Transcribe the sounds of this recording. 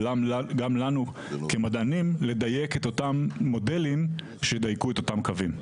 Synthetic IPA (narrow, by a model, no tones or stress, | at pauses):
amɡamlanu | kemad̪ʔanimle̞d̪aje̞ket̪o̞t̪amːo̞de̞lim | ʃed̪ajkuet̪o̞tamkavim